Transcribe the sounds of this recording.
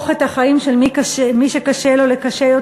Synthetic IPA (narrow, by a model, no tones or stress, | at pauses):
χethaχaimʃelmikaʃemiʃekaʃelo̞lekaʃejo